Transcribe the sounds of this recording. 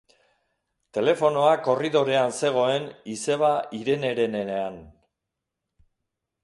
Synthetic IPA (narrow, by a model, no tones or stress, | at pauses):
t̪e̞le̞fo̞no̞ako̞riðo̞ɾe̞anse̞ɣ̞o̞e̞nise̞β̞aʔiɾe̞ne̞ɾe̞ne̞nean